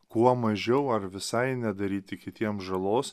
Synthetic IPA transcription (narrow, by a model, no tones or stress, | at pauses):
kuɔmɐʒʲɛʊɐɾʋʲɪsɐɪnʲɛd̪ɐɾʲiːt̪ʲɪkʲɪt̪ʲiɛmʒɐlˠoːs